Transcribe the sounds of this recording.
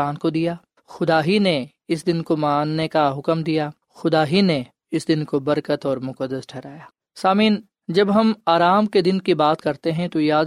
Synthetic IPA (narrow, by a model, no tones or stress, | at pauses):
aːnkod̪ijaː | xʊd̪aːɦine | ɪs̬d̪ɪnkomaːnːekaɦʊkəmd̪ijaː | xʊd̪aːɦine | ɪsd̪ɪnkobɐɾkət̪ɔːɾmʊkəd̪ːəsʈʰɛːɾaːjaː | saːmiːn | d͡ʒɐbɦɐmaːɾaːmked̪ɪnkibaːt̪kɐɾt̪eɦɛ̃t̪ojaːd̪